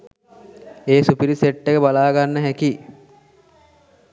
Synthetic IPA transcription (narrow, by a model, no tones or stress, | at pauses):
eːsupiɾiseʈːeɡəbalaːɡanːəɦækiː